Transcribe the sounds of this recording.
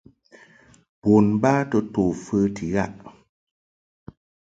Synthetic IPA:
bo˨nba˦tə˦to˨fə˦tʰi˨ɣa˦˨ʔ

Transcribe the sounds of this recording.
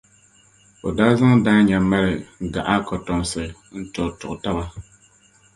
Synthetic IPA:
o˨daː˦za˦ŋdaː˦ɲa˨ma˦lɪ˨ɡa̰˨ʔa˦kɔ˨tɔ˨m˨sɨ˨ | n̩˦tɔ˨ɾtʊ˨ʔta˦ba˦

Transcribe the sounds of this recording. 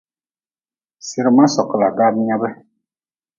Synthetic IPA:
si˦ɾɨ˨mã˦sɔ˨kə˨la˨ɡa˦mi˦ɲa˦bɛ˦

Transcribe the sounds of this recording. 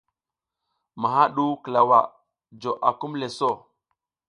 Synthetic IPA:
ma˨ɦa˦ɗu˦kə˨la˨wa̰˨ | d͡ʒo˨ʔa˨ku˦mle˨so˦˨

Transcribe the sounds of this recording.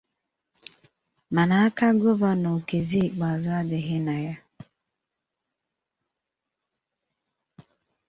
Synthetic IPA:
ma˨na˨a˦ka˦ɡʊ˦va˦no˨ke˨zi˦i˨k͡pa˨zʊ˦a˦dɪ˨ɦɪ˦na˨ja˦

